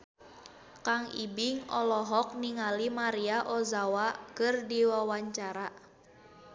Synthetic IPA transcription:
kaŋibiŋɔlɔɦɔk̚niŋalimaɾiaʔɔzawakɨrdiwawaɲt͡ʃaɾa

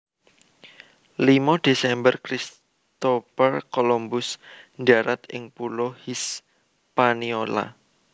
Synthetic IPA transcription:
limɔd̪̥e̤sɛmbərkɾis | t̪ofərkolombʊsnd͡ʒaɾat̪ʔɪ̰ŋpulɔhis | paniola̰

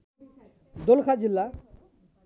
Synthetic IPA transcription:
d̪olkʰad͡ʑilːa

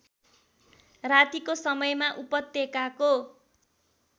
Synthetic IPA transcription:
rat̪ikosʌmʌjmaʔupʌt̪ːekako

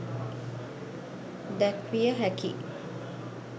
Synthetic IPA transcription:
d̪ækʋijəɦækḭ

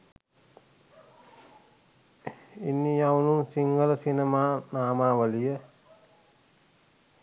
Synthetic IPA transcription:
inːijawnunsiŋɡələsinemaːnaːmaːʋəlijə

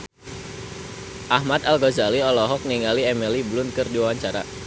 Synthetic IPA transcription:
ʔahmat̪alɡɔzaliɔlɔɦɔk̚niŋaliɛmiliblʊnkɨrdiwawaɲt͡ʃaɾa̰

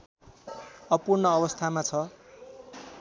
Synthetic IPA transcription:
ʌpurnʌʌbʌst̪ʰamat͡sʰʌ

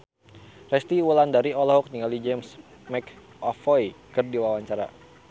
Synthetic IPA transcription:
rɛst̪iwulandaɾiɔlɔɦɔk̚niŋalid͡ʒɛms | mɛk | ʔɔfɔjkɨrdiwawaɲt͡ʃaɾa̰

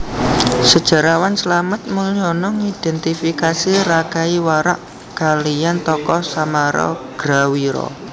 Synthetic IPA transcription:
səd̥ʒ̥a̤ɾawansəlamət̪̚muliɔnɔŋid̥ɛnt̪ifikasiɾakaiwaɾa̰ʔ | kalijant̪ɔkɔsamaɾɔ̰ɡ̥ɾawiɾɔ̰

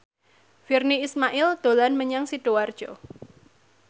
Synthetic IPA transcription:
firniːsmaʔɪld̪̥o̤lanməɲaŋsiɖ̥o̤ward̥ʒ̥ɔ

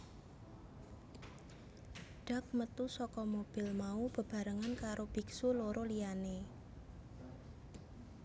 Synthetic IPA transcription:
ɖ̥a̤k̚mət̪usɔkɔmob̥ɪlmaub̥ə̤b̥a̤ɾəŋankaɾob̥iksoloɾolijane

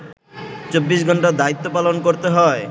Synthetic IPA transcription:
t͡ɕobːiʃɡʱɔɳʈad̪ait̪ːopalonkoɾt̪eɦɔe

